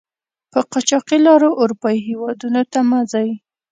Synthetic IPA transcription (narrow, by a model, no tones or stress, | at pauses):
pəqɑt͡ʃɑqilɑɾoʔːɾupɑiɦewɑd̪unot̪amazɑji